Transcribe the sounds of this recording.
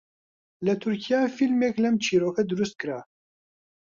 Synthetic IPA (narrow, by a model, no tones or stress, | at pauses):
lɨt̪ʰuɾkʰijaːfilmeklɛmt͡ʃʰiːɾoːkʰɛd̪uɾust̪̚kɨɾa